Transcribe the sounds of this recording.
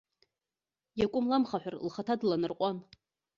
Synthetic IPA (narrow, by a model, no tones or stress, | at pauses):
jakʷʼʊmlamχaħʷᶣarlχatʰadlanɨrqʷʼan